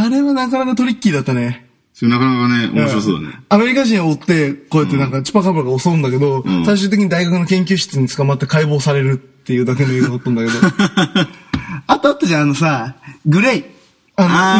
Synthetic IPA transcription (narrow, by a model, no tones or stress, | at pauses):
aɾe̞βanakanakat̪o̞ɾʲikʲːiid̪at̪ːane̞ | sonakanaakaneo̰m̃ɕaso̰ːd̪a̰n̰ame̞ɾʲikaʑĩɰ̃oot̪ːe̞ko̞ːjet̪ːe̞nãŋkat͡ɕi̥pakabɯɾaɡaosoɯ̃nd̪ake̞d̪o̞saiɕ̬ɨːt̪ek̬ʲiɲid̪aiɡakɯ̟no̞kẽŋkʲɨːɕi̥t͡sɨɲ̟it͡sɨ̥kamat̪ːe̞kaibo̞ːsaɾe̞ɾɯ̟t̪ːe̞jɯ̟ːd̪ake̞noeːnoot̪ːãnd̪ake̞d̪o̞ | at̪oat̪ːoʑãːno̞saɡɯ̟ɾei | ano